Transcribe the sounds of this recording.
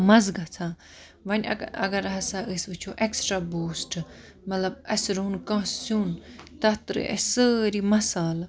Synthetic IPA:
mɐzɡɐt͡sʰãː | ʋɐnʲɐ̰ɐ̰ɡɐɾɦɐsaʔəsbɨt͡ʃʰoʔeksʈɾaːboːsʈ | mɐt̪lɐbɐsɾunkɐ̃ːssuːnt̪ɐt̪ɾɨ̰ʔɐ̰səɾimɐsaːl

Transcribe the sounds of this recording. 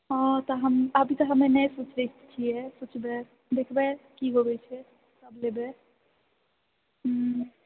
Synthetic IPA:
ɔ̃t̪ɔɦəməbʱit̪ɔɦəmenɛjsut͡ʃʰɾɛt͡ʃʰijɛsut͡ʃʰbɛ | d̪ekʰbɛkiɦobɛt͡ʃʰɛ | səblebe

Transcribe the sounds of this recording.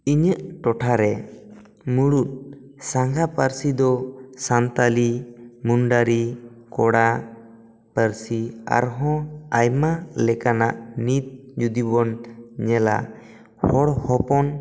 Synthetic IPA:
iɲəʔʈɔʈʰaɾɛ | muɽut̪̚ | saŋɡapəɾsid̪ɔsant̪alimunɖaɾi | kɔɽa | pəɾsia̰ɾɦɔ̃ajmalɛkanaʔnit̪̚d͡ʒud̪ibɔnɲɛla̰ | hɔɽhɔpɔn

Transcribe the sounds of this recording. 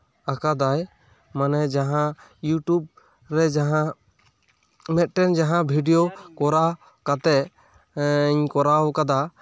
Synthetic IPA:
akad̪aj | manɛd͡ʒaɦãjuʈub̚ | ɾɛd͡ʒaɦã | mɛt̪̚ˀʈɛnd͡ʒaɦãbʱiɖijokɔɾa | kat̪ɛ | ɲkɔɾaɔkad̪a

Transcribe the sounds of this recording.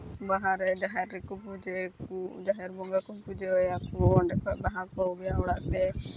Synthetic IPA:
baɦaɾɛd͡ʒaɦɛɾːɛkɔpud͡ʒekud͡ʒaɦɛɾbɔŋɡakɔpud͡ʒeɔjakɔɔɳɖɛkʰɔʔ̚baɦakɔubijaɔɽaʔt̪ɛ

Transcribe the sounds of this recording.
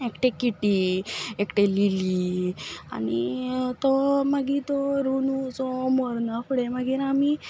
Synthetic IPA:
ekʈekiʈiekʈelili | a̰ñit̪ɔmaɡit̪ɔɾunut͡sɔmɔɾnakuɽemaɡiːɾami

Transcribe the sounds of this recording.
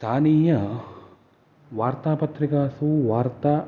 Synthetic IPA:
st̪ʰaːniːjɐ | ʋaːɾt̪aːpɐt̪ɾikaːsuʋaːɾt̪aː

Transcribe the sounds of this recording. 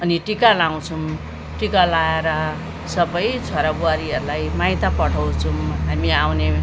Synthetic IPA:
ʌniʈikalaw̃t͡sʰum | ʈikalaeɾʌ | sʌbʌjt͡sʰoɾabuaɾiɦʌɾulajmajt̪apʌʈʰʌw̃t͡sʰumɦamiawne

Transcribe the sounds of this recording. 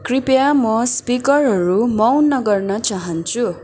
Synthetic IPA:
kripjamʌspikʌrɦʌɾumʌwnːʌɡʌrnʌt͡saɦʌnt͡sʰu

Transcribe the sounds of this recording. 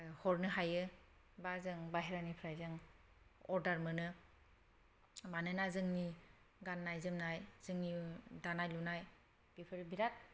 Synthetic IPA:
hɔɾnɯɦajɯ | bazɯŋbaɦeɾanipʰɾajzɯŋ | ɔɾdaɾmɯnɯ | banɯnazɯŋni | ɡanːajzɯmnajzɯŋnidanajlunaj | b̥ipʰɯɾbiɾat̚

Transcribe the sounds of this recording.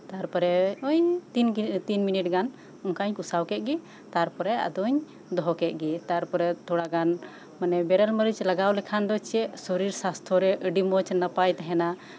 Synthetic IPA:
t̪aɾpɔɾɛɔɲ | t̪inminiʈ̚ɡan | ɔŋkaɲkusawkɛt̪̚ˀɡi | t̪aɾpɔɾɛa̰d̪ɔɲ | d̪ɔɦɔkɛt̪̚ˀɡit̪aɾpɔɾɛt̪ʰɔɽaɡan | manɛbɛɾəlməɾit͡ʃlaɡawlɛkʰand̪ɔt͡ʃɛʔsɔɾiɾsast̪ʰɔɾɛʔəɖimɔt͡ʃnapajt̪aɦɛna

